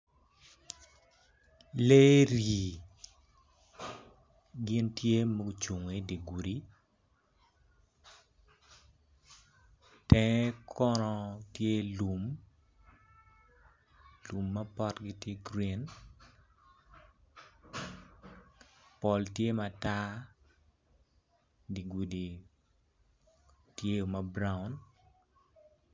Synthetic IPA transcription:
le˦ɾi˨ | ɡɪ˦ntje˦mo˦ɡu˦t͡ʃu˨ŋe˨de˨ɡu˨ɾi˦ | tɛ˦kʰɔ˦nɔ˦tje˦lu˨m | lu˨mːa˦pɔ˦tɡi˦tje˦ɡɾi˨n | pɔ˨ltje˦mata˦ | di˨ɡu˨di˨ | tje˦o˨ma˦bɾa˦ʊ˨n

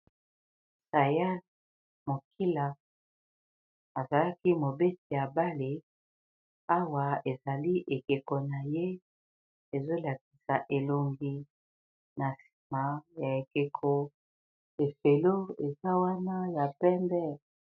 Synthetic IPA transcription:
sa˨ja˦l | mo˨kʰi˦la˨ | a˨za˨la˦ki˦mo˨be˦ti˨ja˨ba˦le˨ | a˦wa˨e˨za˨li˦ʔe˨ke˨ko˨na˨je˦ | e˨zo˦la˨k̚i̥˨sa˨ʔe˨lo˨ŋɡi˨ | na˨si̥˨ma˨ja˨e˨ke˨kʰo˨ | e˨fe˨lo˦e˨za˦wa˦na˦ja˨pɛ˦mbɛ˦˨

